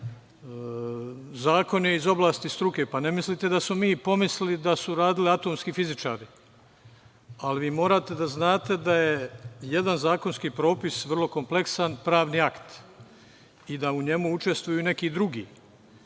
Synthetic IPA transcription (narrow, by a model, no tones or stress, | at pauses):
zaːko̞njeizo̞blˠaːst̪ist̪ɾuke̞pane̞mislit̪e̞d̪asmomiːpo̞mislilid̪asuɾaːd̪iliat̪o̞ːmskifizit͡ʃa̰ːɾi | alʋiːmo̞ːɾaːt̪e̞d̪aznaːt̪e̞d̪aje̞jed̪anzaːkonskiːpɾo̞ːpisʋrlˠo̞ko̞mple̞ksanpɾaːʋniːakt̪ | id̪auɲe̞muut͡ʃe̞st̪ʋujune̞kiːd̪ɾuɡḭː